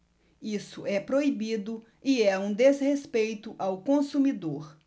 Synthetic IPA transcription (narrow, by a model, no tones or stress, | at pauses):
isʊɛpɾoibid̪ʊ | iɛũd̪ezhespejt̪ʊʔawkõsumid̪oɾ